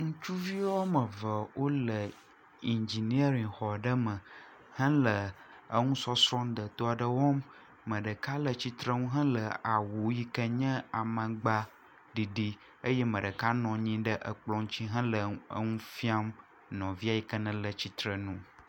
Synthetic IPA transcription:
ŋũ˦t͡ʃu˦vi˦wɔ˦mə̃˨və˨wo˦lə˨ | i˨nd͡ʒi˨ni˦e˦ɾĩ˨ŋxɔ˨ɖə˦mə̃˨ | hə̃˦lə˨ | ə˦ŋũ˦sɔ˦sɾɔ̃˦d̪ə˨t̪o˦a˨ɖə˨wɔ˦mː | ə̃˨ɖə˨ka˦lə˨t͡ɕi˦t̪ɾə˦ŋũ˦ɦə̃˦lə˨a˨wu˨ji˦kə˦ɲɛ̃˦a˨mə̃˨ɡ͡ba˦ | ɖi˨ɖi˦ | ə˦jɛ˦mə̃˨ɖə˨ka˦nɔ̃˨ɲĩ˦ɖə˦ʔə˨k͡plɔ̃˦ŋ̃˦t͡ɕi˦ɦə̃˦lə˨ə̰˦ŋũ˦fi˦a˦m | nɔ̃˨vi˦a˨ji˨kə˦nə̃˦lə˨t͡ɕi˦t̪ɾə˨nũ˦

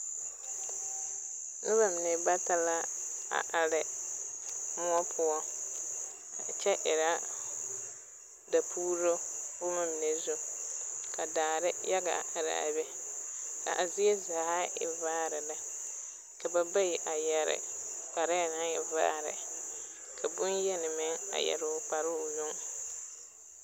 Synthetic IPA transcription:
nʊ˦ba˨mɪ˨ne˨ba˦ta˦la˦a̰˨ʔa˨ɾɪ˨ | mʊ˦ɔ˦pʰʊ˦ɔ˦˨ | t͡ʃɛ˦ʔɪ˨ɾa˦ | da˨pʰuː˦ɾo˦ʊ˦ma˨mɪ˨ne˨zʊ˦ | ka˨daː˨ɾɪ˦ja˦ɡa̰˨ɾɪ̰˨a̰˨bɛ˦ka̰˨ʔa˨zɪ˦e˦za˨ha˦ɪ̰˨vaː˦ɾɪ˨la˦ | ka˨ba˦ba˦jɪ˨ʔa˨jɛ˨ɾɪ̰˨k͡pa˨ɾɛ˦˨na˦ŋɪ˨va̰ː˦ɾɪ̰˨ | kʰa˨bʊ˦njɛ˦nɪ˨mɛ˦a̰˨jɛ̰˨ɾɪ˨k͡pa˨ɾʊ˦˨jʊ˦ŋ

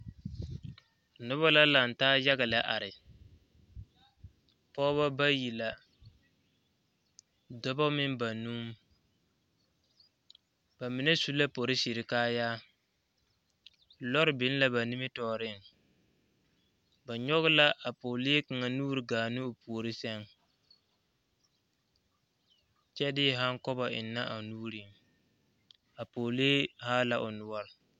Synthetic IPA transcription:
nʊ˦βa˦la˦la˨n̩˨taː˦ja˦ɡa˨la˨ʔa˨ɾɪ˨ | pɔː˦ba˦ba˦ji˨la˨ | dɔ˦ba˦mɪ˦nba˨nu˦m˦ | ba˨mi˨nɛ˦su˦la˦po˨ɾɪ˦si˨ɾɪ˨kaː˦jaː˦˨ | lɔ˦ɾɪ˨bɪ˨˦n˦la˦ba˨ni˦mɪ˦tɔː˨ɾɪ˦˨ŋ | ba˨ɲɔ˦ɣɪ˦la˦ʔa˨poː˨leː˦ka˨ŋa˨nuː˦ɾɪ˨ɡaː˨nɪ˦ʊ˨pu˨o˨ɾɪ˦sɛ˦ŋ | t͡ʃɛ˦dɪ˦ɦa˦ŋkɔ˦ba˨ʔɪ̰˨nːa˦ʔa˨nuː˦ɾɪ˨ | a˨poː˨leː˦haː˦la˨ʔʊ˨nʊ˨˦ɔ˦ɾɪ˨

